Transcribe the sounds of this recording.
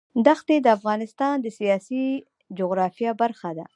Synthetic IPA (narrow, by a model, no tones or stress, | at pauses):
d̪axt̪ed̪əafɣɑnɪst̪ɑnd̪əsijɑsi | d͡ʒoɣɾɑfijɑbaɾxad̪a̰